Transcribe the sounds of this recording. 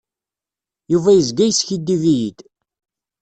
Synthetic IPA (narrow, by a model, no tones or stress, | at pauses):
juvæjəzɡæjəsçid̪ːivijid̪̥